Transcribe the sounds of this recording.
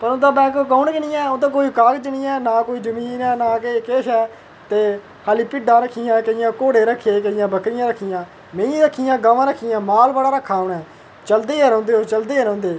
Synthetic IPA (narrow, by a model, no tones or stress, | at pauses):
pəɾõnd̪ãːbɛ̃ːkːkaːʊɳkənijɛ̃ːond̪ãːk̬oːiːkaːkd͡ʒəniːɛːnaːkoːiːd͡ʒəmiːnɛːnaːkeikeːʃɛː | t̪eː | haːliːpɪɖãːɾəkʰːijãːkəɪjãːkoːɽeːɾəkʰːeːkəɪjãːbəkɾɪjãːɾəkʰːijãː | mẽːɾəkʰːɪjãːɡaːʋãːɾəkʰːiːjãːmaːlbəɽaːɾəkʰːaːoːɳɛː | t͡ʃəld̪eːɛːɾɔ̃ːnd̪eːoːt͡ʃəld̪eːɛɾɔ̃ːnd̪eː